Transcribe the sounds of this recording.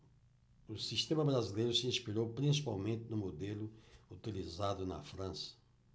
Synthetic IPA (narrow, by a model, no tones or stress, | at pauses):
ʊsiʃt̪ẽmɐbɾazilejɾʊsɪĩspiɾowpɾĩsi̥pawmẽnt̪ɪnʊ̃mod̪elʊut̪ilizad̪ʊnɐ̰fɾɐ̃sɐ̥